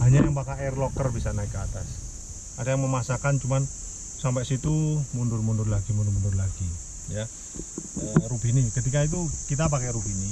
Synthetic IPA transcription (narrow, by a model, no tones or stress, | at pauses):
haɲajaŋpakaɛrlɔkərbisanaikːəat̪as | adajaŋməmasakant͡ʃuman | sampɛsit̪umundʊrmundʊrlaɡimundʊrmundʊrlaɡi | ja | əɾupinikət̪ikait̪̬ukit̪̬ap̬akɛɾupini